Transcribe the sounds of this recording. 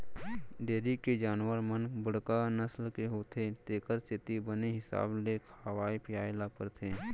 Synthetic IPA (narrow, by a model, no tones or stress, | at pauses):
ɖeːɾikːed͡ʒaːnʋəɾmənbəɽ̤kanəslkeɦoːt̪ʰet̪eːkəɾsɪt̪ibəneɦɪsa̰ːblekʰəʋaːipʰɪjaːelapəɾt̪ʰeː